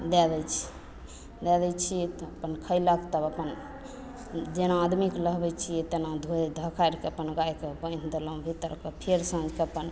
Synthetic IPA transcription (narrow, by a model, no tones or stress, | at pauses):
d̪ɛd̪ɛt͡ʃʰi̥ | d̪ɛd̪ɛt͡ʃʰit̪ɔəpənkʰəɪləkt̪əbəpən | d͡ʒenaːd̪mikləɦbɛt͡ʃʰijɛt̪enad̪ʱod̪ʱəkʰaɾkeəpənɡajkebə̃jnd̪elə̃bʱit̪əɾkəpʰeɾsə̃nd͡ʒʱkeəpən